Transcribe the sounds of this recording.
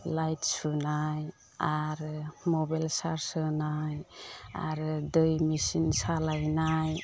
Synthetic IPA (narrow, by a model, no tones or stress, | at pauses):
lajtsunaj | aɾmɔbajlsaɾsɯnaja̰ɾd̪ɯjmisinsalajnaj